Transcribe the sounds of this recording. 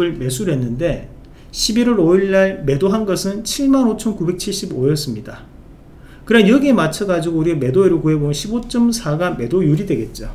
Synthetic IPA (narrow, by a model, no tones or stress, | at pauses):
ɯɭme̞sʰuɾɦe̞nːɯnde̞ | ɕʰibiɾwʌɾoiɭːaɭme̞doɦanɡʌsʰɯnt͡ɕʰiɭmanot͡ɕʰʌnkube̞k̚t͡ɕʰiɭɕ͈ibojʌs͈ɯmɲida | kɯɾʌnjʌɡemat͡ɕʰʌɡad͡ʑiɡouɾiame̞doeɾɯkuɦe̞bomɯnɕʰibot͡ɕ͈ʌmsʰaɡame̞dojuɾidwe̞ɡe̞t̚t͡ɕ͈o